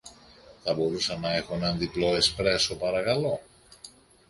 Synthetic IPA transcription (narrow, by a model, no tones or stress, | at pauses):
θɐbo̞ɾusɐnːɐe̞xunɐnðiplo̞espɾesopɐɾɐkɐlo̞